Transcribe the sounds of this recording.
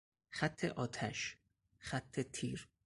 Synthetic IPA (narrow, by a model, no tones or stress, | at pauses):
χæt̪ʰːeʔɒːt̪ʰæʃ | χæt̪ʰːet̪ʰiːɾ